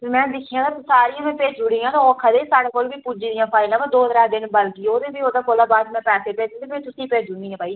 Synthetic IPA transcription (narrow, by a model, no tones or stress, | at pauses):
mɛ̃ːd̪ɪkʰiːãːt̪aːsaːɾiːãːmɛ̃ːpeːt͡ʃd͡ʒʊɽiːãːt̪ãɔːkʰaːd̪eːsaːɽeːkoːlʋiːpʊd͡ʒiːd̪ijãːpʰaːɪlãːmãːd̪oːd̪ɾaːd̪ɪnbəlkiːoːd̪eːbiːoːd̪aːkoːlaːbaːd̪mɛ̃ːpɛːseːpeːd͡ʒ̪d̪eːpʰet̪ʊsĩːpeːd͡ʒʊɽĩːãːpaːi